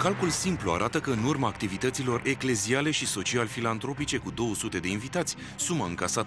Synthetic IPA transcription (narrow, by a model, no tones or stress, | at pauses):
kalkulsimplua̰ɾʔat̪əkəɨnurmaːk̚t̪ivit̪ət̪silo̞re̞kle̞ziale̞ʃiso̞t͡ʃialfilant̪ɾo̞pit͡ʃe̞kud̪o̞wəsut̪e̞d̪e̞invit̪at̪sʲ | sumaɨŋkasat̪ə